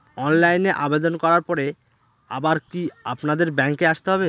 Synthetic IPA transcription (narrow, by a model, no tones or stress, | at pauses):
ɔnlajneʔabed̪onkɔɾaɾpɔɾe | abaɾkia̰pnad̪eɾbɛŋkeaʃt̪eɦɔbe